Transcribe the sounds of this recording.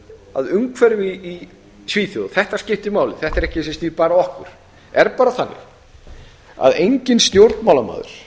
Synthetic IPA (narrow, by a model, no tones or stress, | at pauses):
a̰ðʏmkʰvɛɾɪviː | t̪ʰviːθjowðθɛht̪ascɪht̪ɪmaːwlɪθɛht̪aɾɛhcɪs̬ɛst̪iːpaːɾaɔhkʏɾ̥ | ɛɾpaːɾaθanːɪ̰ | a̰ðejɲcɪnst̪jowɾt̪maːwlama̰ːðʏ̰ɾ̥